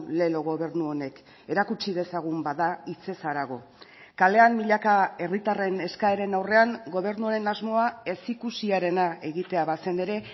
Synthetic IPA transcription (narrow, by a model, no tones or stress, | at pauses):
le̞lo̞ɣo̞βe̞ɾnuo̞ne̞k | e̞ɾakut͡ʃiðe̞saɣ̞umbaðait͡se̞saɾaɣ̞o̞ | kale̞amːiʎakae̞rit̪are̞ne̞skaeɾe̞nawre̞aŋɡo̞β̞e̞ɾnuaɾe̞nazmo̞ae̞sikusiaɾe̞nae̞ɣit̪e̞aβase̞ne̞ɾe̞